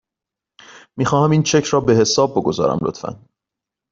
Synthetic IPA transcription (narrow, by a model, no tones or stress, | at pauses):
miːxɒːhæmiːnt͡ʃʰe̞cʰɾɒːbe̞he̞sɒːb̚ːo̞ɡo̞zɒ̰ːɾæ̰mlo̞̰t̪ʰfæ̰n